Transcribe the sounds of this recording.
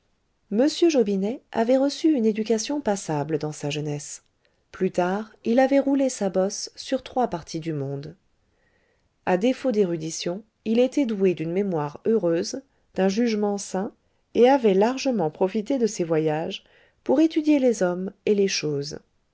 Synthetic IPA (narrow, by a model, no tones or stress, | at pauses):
məsjøʒobinɛa̰vɛʁəsyyned̪yk̬ʲasjɔ̃pasabləd̪ɑ̃saʒənɛs | plyt̪aʁilavɛʁulesabɔsːyʁt̪χwapaʁt̪ʰid̪ymɔ̃d̪ | ad̪efod̪eʁyd̪isjɔ̃ | ilet̪ɛd̪ued̪ynmemwaʁøʁøz | d̪̥ɛ̃ʒyʒmɑ̃sɛ̃ | eavɛlaʁʒəmɑ̃pχɔfit̪ed̪əsɛvwajaʒ | puʁet̪yd̪jelezɔmeleʃoːz